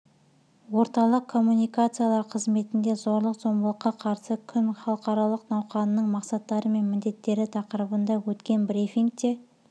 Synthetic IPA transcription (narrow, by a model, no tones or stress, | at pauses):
wo̞ɾt̪ɑlˠəqʰːo̞mːunijkat̪sɨjalˠɑɾqʰəzme̞t̪ɪnd̪e̞zo̞ɾlˠəqzo̞mbəlˠəqːɑqʰɑɾsəkʲʰʏnχɑlˠəqɑɾɑlˠəqnɑwqɑnəːəɴmɑqsɑt̪ːɑɾəme̞nmɪnd̪e̞t̪ːe̞ɾɪt̪ʰɑqəɾəbənd̪ɑwɵt̪kʲe̞nbɾifʲiŋk̚t̪e̞